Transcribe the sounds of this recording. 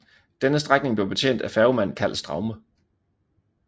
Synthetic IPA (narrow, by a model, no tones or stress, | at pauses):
d̥enəsd̥ʁaɡ̥ne̝ŋble̝ʊb̥e̝t͡sʰḛnd̥æfæɐʊmæn̰kʰæl̰sd̥ʁɑ̈ʊmə